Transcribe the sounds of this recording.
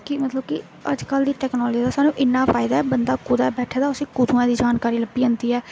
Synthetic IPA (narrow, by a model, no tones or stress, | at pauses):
kɪmət̪ləb̚kɪ | ə̰d͡ʒkəld̪iːʈɛːknɔːld͡ʒiːd̪aːsaːnũːʔɪnːãːpʰaːɪd̪aːɛːbənd̪aːkʊd̪abɛːʈʰaːd̪aːʊsẽːkʊd̪ʱuːãːd̪iːd͡ʒaːnkaːɾiːləbiːənd̪iːɛː